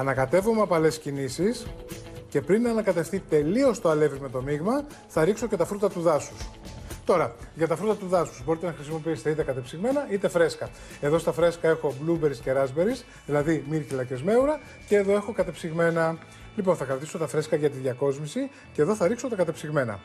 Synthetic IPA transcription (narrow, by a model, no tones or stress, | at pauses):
ɐnɐkɐt̪e̞vomeɐpɐle̞scinisisce̞pɾinːɐːnɐkɐt̪e̞fθit̪e̞lio̞st̪oɐle̞vizme̞t̪o̞miɣmɐ | θɐɾikso̞cet̪ɐfɾut̪ɐt̪uðɐsust̪o̞ɾɐʝɐt̪ɐfɾut̪ɐt̪uðɐsu̥zbo̞ɾit̪enɐxɾisimo̞piist̪eit̪ekɐt̪e̞psiɣme̞nɐit̪efɾe̞skɐ | e̞ðo̞st̪ɐfɾe̞skɐe̞xo̞blube̞ɾisce̞ɾɐzbeɾis | ðilɐðimiɾçilɐce̞zme̞uɾɐ | ce̞ːðo̞e̞xo̞kɐt̪epsiɣme̞nɐ | liponθɐkɾɐt̪iso̞t̪ɐfɾe̞skɐʝɐt̪iðʝɐko̞zmisi | ceðo̞θɐɾikso̞t̪ɐkɐt̪e̞psiɣme̞nɐ̰